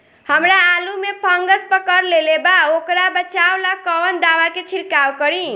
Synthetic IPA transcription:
həmɾaːlumepʰəŋɡəspəkəɾlelebaokɾabət͡ʃawlakəʋənd̪awaket͡ʃʰiɾkawkəɾĩ

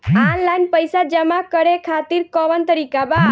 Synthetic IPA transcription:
anlajnpəjsad͡ʒəmakəɾekʰat̪iɾkɔʋənt̪əɾikaba

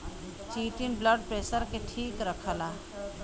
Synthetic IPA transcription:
t͡ʃiːʈinbləɖ̚pɾeːsəɾkeʈʰiːkɾəkʰəlaː

